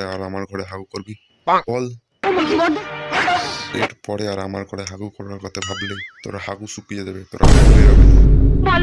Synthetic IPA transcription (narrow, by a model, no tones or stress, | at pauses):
eaɾamaɾɡʱɔɾeɦaɡukɔɾbi | ɔl | ḛʈpɔɽeaɾamaɾɡʱɔɽeɦaɡukɔɾɾaɾkɔt̪ebʱabilejt̪ɔ̰ɾahaɡusupied̪ebet̪ɔɾʔa̰kakɔleɾabi